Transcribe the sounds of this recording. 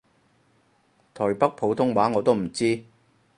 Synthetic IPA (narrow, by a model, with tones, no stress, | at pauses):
t̪ʰɔː˨˩jpɐ˥k̚pʰo˨˥wt̪ʰʊ˥ŋwaː˨˥ŋɔː˨˧t̪o˥wm̩˨˩t͡siː˥